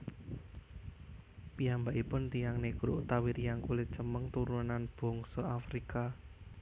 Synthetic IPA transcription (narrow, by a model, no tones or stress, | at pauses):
pijambaʔipʊnt̪ijaŋnekuɾṵʔt̪awiɾijaŋkulɪt͡ʃəməŋt̪uɾunanb̥ɔ̤ŋsɔafɾika